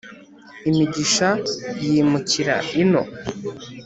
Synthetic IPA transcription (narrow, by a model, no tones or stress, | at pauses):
imiɟiʃajimuciɾa̰ino̞̰